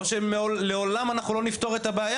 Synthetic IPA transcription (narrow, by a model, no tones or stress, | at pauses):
oʃemeoleo̞lamanaχnulo̞nift̪o̞ʁet̪abeaja